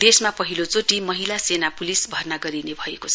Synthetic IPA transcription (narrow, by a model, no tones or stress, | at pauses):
d̪esmapʌɦilot͡soʈimʌɦilasenapulisbʱʌrnaɡʌɾinebʱʌeko